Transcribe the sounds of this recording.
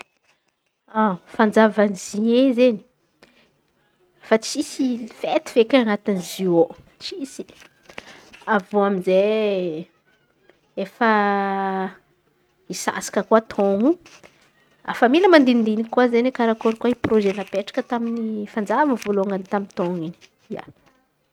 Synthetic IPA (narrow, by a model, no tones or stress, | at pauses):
afand͡zavaniziɲezeni̥ | fat͡sisifet̪i̥v̥ekʲaŋat̪inizio | t͡ʃisi̥ | avoaminze | efə | isa̰sḁkəkuat̪ʰoŋu | a̰familəmand̪ind̪inikuazenikaɾakoɾikuaiproʒenapeʈ͡ʂḁkət̪aminifand͡zavəvuloŋɡanit̪amint̪oŋini̥ | ja̰